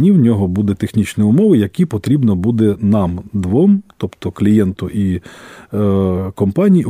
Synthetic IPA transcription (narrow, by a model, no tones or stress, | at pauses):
nʲiwnʲɔɦɔbud̪ɛt̪exnʲit͡ʃniʊmɔʋɪjɐkʲipɔt̪ɾʲibnɔbud̪ɛnɑmd̪ʋɔmt̪ɔpt̪ɔklʲijɛnt̪ʊʔi | kɔmpɑnʲiji